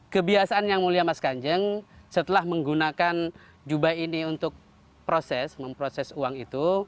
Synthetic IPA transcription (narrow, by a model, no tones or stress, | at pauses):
kəbiasaanjaŋmuliamaskaɲd͡ʒəŋsət̪əlahməŋɡunakan | d͡ʒubajiniunt̪ʊk̚ | pɾosɛsməmpɾosɛsuaŋit̪u